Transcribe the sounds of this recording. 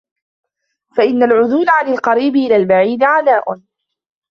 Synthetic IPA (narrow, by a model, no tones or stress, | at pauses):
faʔɪnːalʕʊðʊːlʕanɪlqɑɾiːbɪʔɪlaːlbaʕiːd̪ɪʕanaːʔʊn